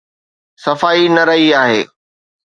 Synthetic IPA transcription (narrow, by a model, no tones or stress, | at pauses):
sɐfaːinɐɾɐɦiaːɦḛː